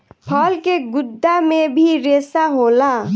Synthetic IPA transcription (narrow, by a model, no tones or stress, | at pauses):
pʰɔːlkeɡʊd̪ʱːamẽbʱiɾeːsaɦoːla